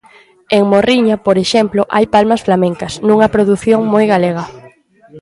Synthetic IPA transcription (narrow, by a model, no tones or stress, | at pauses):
eŋmoriɲɐpoɾeʃemploʔajpalmɐsflamẽŋkɐsnũŋɐpɾoðuθjoŋmojɣaleɣɐ